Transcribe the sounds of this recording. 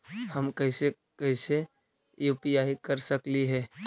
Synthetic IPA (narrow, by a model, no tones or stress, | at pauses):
həmkəɦɪse | kɛɪse | juːpiaːikəɾsəkliɦɛː